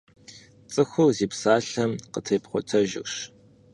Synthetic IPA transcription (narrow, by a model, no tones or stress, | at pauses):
t͡sʼɨxʷʊwziːpsaːɬɐmqətʰeːpχʷɔtʰɐʒɪ̰kɕ